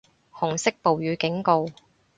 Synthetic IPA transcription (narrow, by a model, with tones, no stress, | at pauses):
hʊ˨˩ŋsɪ˥k̚po˨wjyː˨˧kɪ˨˥ŋko˨˧w